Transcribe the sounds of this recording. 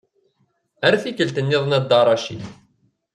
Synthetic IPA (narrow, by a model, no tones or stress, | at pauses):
æɾθikəlt̪ənːɪðˤnæd̪ːɑɾˤɑʃḭ